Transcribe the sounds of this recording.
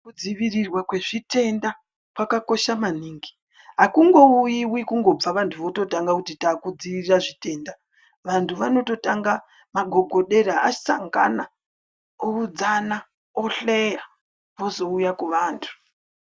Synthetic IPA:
kud͡ziʋirirwakwe̞ʐite̞nda | pwakako̞ʃamaniːŋɡi̥ | ɦakuŋɡo̞ujiwikuŋɡo̞b͡vaʋantʰuʋo̞to̞taŋɡakutitaːkud͡ziʋiriraʐite̞nda | ʋantʰuʋano̞to̞taŋɡa | maɡʱo̞ɡʱo̞ɗe̞ɾaasaŋɡa̰na | oud͡zana | oɬe̞ja | ʋo̞zo̞ujakuʋaːntʰu̥

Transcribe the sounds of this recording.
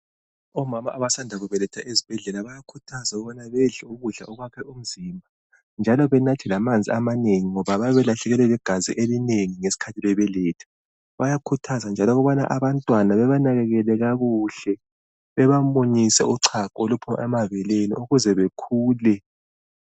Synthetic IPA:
ɔmamaʔaβasandʱaɣuβɛlɛtʰaʔezib̥ʱɛɮɛlaβajakʰutʰazauɣuβɔnaβɛɮɛuɣuɮa̰ʔɔɣwakʰɛum̩ziːmbʱa | nd͡ʒʱalɔβɛnatʰilamand͡zʱiamaneŋiŋɔβaβajaβɛlaɬɛɣɛlɛlɛɡ̥ʱazḭʔelineŋiŋesi̥kʰatʰiβɛβɛlɛːtʰɛ̥ | βajakʰutʰazand͡ʒʱalɔɣuβana̰ʔaβantʼwanaβɛβanaɣɛɣɛlɛɣaɣuɬɛ | βɛβamoɲisɛ̰ʔuǀʰakɔolupʰuma̰ɛmaβɛlenḭʔuɣuzɛβekʰuːlɛ

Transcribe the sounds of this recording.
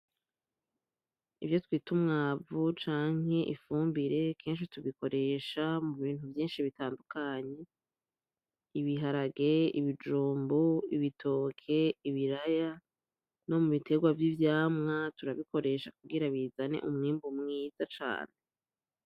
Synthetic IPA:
ivjo̞twiːtumŋaːvut͡ʃaːŋ̥e̞ʔifuːmbiɾe̞kʰe̞ːnʃ̬ituβiko̞ɾe̞ʃamuβiːn̥huvjiːnʃiβitaːndukaːɲe̞ | iβiɦaɾaɡe̞ḭβid͡ʒuːmbuiβitʰo̞ːkʰe̞iβiɾaja | no̞muβite̞ɡwavjivjaːmŋatuɾaβiko̞ɾe̞ʃakuɡɡiɾaβiːzane̞̰ʔumŋiːmbumŋiːz̥at͡ʃa̰ːne

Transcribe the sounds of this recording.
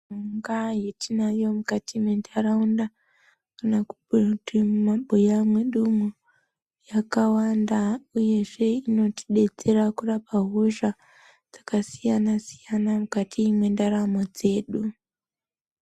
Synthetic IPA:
uŋɡajetinajo̞mukatʰimwe̞ndaɾaunda | kanakutimaɓojamwe̞ɗumu | jakawandauje̞ʐe̞ino̞tʰi̥ɗe̞d͡ze̞rakurapaɦoʒa | d͡z̥ḁkasijanasi̥janamukatʰimwe̞ndaɾamo̞d͡ze̞ːɗu

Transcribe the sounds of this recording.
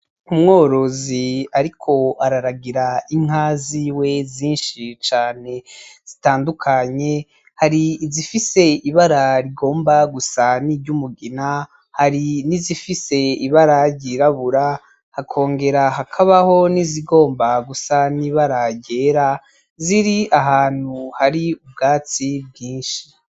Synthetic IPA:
umŋo̞ːɾo̞ziaɾikʰo̞aɾaɾaɡiɾaiŋ̥aːziwe̞ziːnʃit͡ʃaːne̞z̥itaːndukʰaɲe̞ | haɾiːzifise̞iβaɾaɾiɡo̞ːmbaɡusaniɟumuɡina | haɾinizifise̞iβaɾaɟiɾaβuɾa | hakʰo̞ːŋɡe̞ɾaɦakʰaβaho̞niziɡo̞ːmbaɡusaniːβaɾaɟe̞ːɾa | ziɾiaɦaːn̥huhaɾiub̚ɡaːt͡sib̚ɟiːnʃi̥

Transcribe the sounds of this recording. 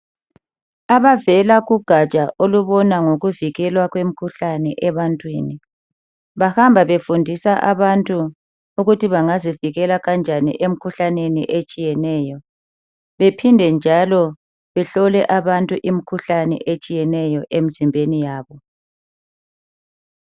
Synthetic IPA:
aβavɛlaɣuɡ̥ʱat͡ʃʼaʔoluβɔnaŋoɣuviɣɛlwaɣwem̩kʰuɬanɛʔɛβantʼwiːni | βahambʱaβefundʱisaʔa̰βantʼuː | ɣutiβaŋaziviɣɛlaɣand͡ʒʱanḭʔem̩kʰuɬanenḭʔet͡ʃʼijɛnɛːjɔ | βepʰindʱɛnd͡ʒʱalɔ | βɛɬɔlɛʔaβantʼuʔimikʰuɬanɛ̰ʔet͡ʃʼijɛnɛjɔʔem̩zimbʱenijaːβɔ

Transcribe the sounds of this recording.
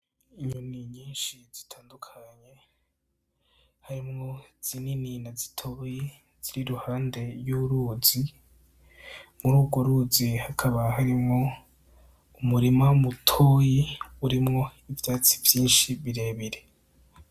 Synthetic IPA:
iɲuniɲiːnʃiz̥i̥tʰaːndukʰaɲe̞ | haɾimŋo̞z̥inininazi̥tʰoːji | z̥iɾiɾuhaːnde̞ɾjuɾuzi | muɾuːbɡwoɾuzihakʰaβaɦaɾimŋo̞ | umuɾimaumutʰo̞ːjiuɾimŋo̞ivjaːt͡sivjiːnʃiβiɾe̞ːβiɾe

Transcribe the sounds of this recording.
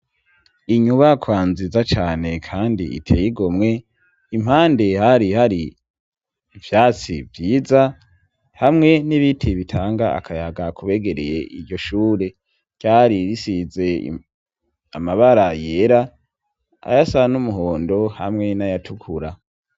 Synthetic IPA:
iɲuβakwaːnzizat͡ʃaːne̞kʰaːndḭḭtʰeːjiɡomŋe̞ | im̥haːnde̞haɾihaɾi | vjaːt͡sḭvjiːza | hamŋe̞niβitʰiβitʰaːŋɡaa̰kʰajaɡakʰuβe̞ɡe̞ɾeje̞ʔiɾɟo̞ʃuːɾe̞̥ | j̥aɾiɾisize̞̰ | amaβaɾajeːɾa | a̰jasanumuɦoːndo̞hamŋe̞najatʰukʰuɾa

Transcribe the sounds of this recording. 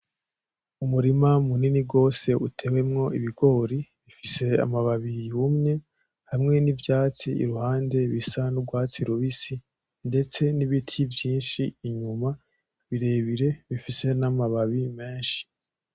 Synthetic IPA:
umuɾimamuniniɡo̞ːse̞ʔutʰe̞we̞mŋo̞iβiɡo̞ɾiβifise̞a̰maβaβijumŋe̞ | hamŋe̞nivjaːt͡siḭɾuhaːnde̞βisanuɡwaːt͡siɾuβisi | nde̞t͡se̞niβitʰivjiːnʃiːɲuma | βiɾe̞ːβiɾe̞βifise̞namaβaβime̞ːnʃi̥

